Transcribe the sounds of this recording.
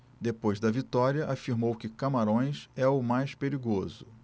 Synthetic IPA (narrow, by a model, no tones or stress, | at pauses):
d̪epojzd̪ɐvit̪ɔɾiɐʔafiɾmowkɪkamaɾõj̃sɛʊmajspeɾiɡozʊ